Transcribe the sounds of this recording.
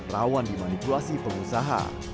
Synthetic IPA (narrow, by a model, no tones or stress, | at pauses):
rawandimanipulasipəŋusaɦa̰